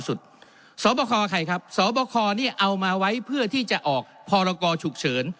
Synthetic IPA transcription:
su˨˩t̪̚ | sɔː˩˦bɔː˧kʰɔː˧ʔa˧kʰa˧jkʰa˦˥p̚sɔː˩˦bɔː˧kʰɔː˧niː˥˩ʔa˧wmaː˧wa˦˥jpʰɯ˥˩ɐt̪ʰiː˥˩t͡ɕa˨˩ʔɔː˨˩k̚pʰɔː˧ɾɔː˧kɔː˧t͡ɕʰu˨˩k̚t͡ɕʰɤː˩˦n

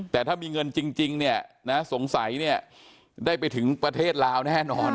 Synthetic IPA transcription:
t̪ɛː˨˩t̪ʰaː˥˩miː˧ŋɤ˧nt͡ɕi˧ŋt͡ɕi˧ŋni˥˩ɐna˦˥so˩˦ŋsa˩˦jni˥˩ɐ | daː˥˩jpa˧jt̪ʰɯ˩˦ŋpɾa˧t̪ʰeː˥˩t̪̚laː˧˥wnɛː˥˩nɔː˧n

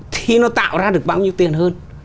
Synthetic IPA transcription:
t̪ʰi˧nɔ˨˦t̪a̰ː˧˨wzaː˧ɗɨ˨˩ək̚ɓaː˧wɲi˧əwt̪i˨˩ənɦəː˧n

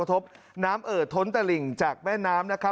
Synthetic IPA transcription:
t̪ʰo˦˥p̚ | naː˦˥mʔɤː˨˩t̪ʰːo˦˥nt̪a˧li˨˩ŋt͡ɕaː˨˩k̚mɛː˥˩nːaː˦˥mna˦˥kʰa˦˥

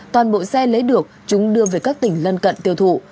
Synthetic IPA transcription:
t̪waː˨˩nɓo̰˧˨sɛ˧lə˨˦jɗɨ˨˩ək̚t͡ɕʊ˨˦ŋ͡mɗɨ˧əve˨˩jkaː˦˥k̚t̪ï˨˩ŋ̟lə˧nkə̰˧˨nt̪i˧əwt̪ʰṵ˧˨

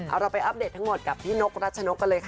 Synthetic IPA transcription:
ʔa̰˧wɾa˧wpa˧jʔa˦˥p̚deː˨˩t̪ʰːa˦˥ŋmo˨˩t̪̚ka˨˩p̚pʰiː˦˥no˦˥k̚ɾa˦˥t̪̚t͡ɕʰa˧no˦˥kːa˧lɤː˧jkʰa˦˩

